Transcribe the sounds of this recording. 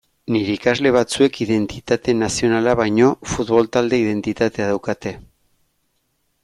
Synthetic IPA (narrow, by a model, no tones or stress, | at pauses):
niɾeikazle̞β̞at͡sue̞kiðe̞nt̪it̪at̪e̞nasio̞nalaβajɲo̞fut̪βo̞lt̪ald̪e̞ið̞e̞nt̪it̪at̪e̞aðawkat̪e̞